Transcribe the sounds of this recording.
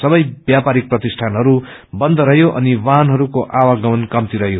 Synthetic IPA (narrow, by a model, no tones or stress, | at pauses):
sʌbʌjbjapaɾik̚prʌt̪isʈʰanɦʌɾu | bʌnd̪ʱʌɾʌɦjoʔʌ̰niwaɦnɦʌɾukoʔawaɡʌmʌnkʌmt̪iɾʌɦjo